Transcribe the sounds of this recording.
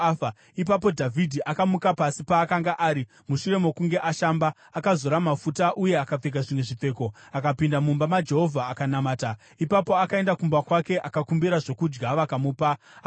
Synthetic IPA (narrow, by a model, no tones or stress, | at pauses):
a | ip̬ap̬o̞dʱavʱidʱiʔakamukapasipaːkaŋɡaʔaːɾi | muʃure̞mo̞kuŋɡe̞ʔaʃambaːkazo̞ɾamafutaʔuje̞akap͡fek̬aʐimwe̞ʐip͡fe̞ːko̞akapindamumbamad͡ʒe̞ɦo̞vʱaːkanamaːta | ipapo̞akae̞ndakumbakwake̞ʔakakumbiɾaʐo̞kud͡ʒɡaʋakamuːpa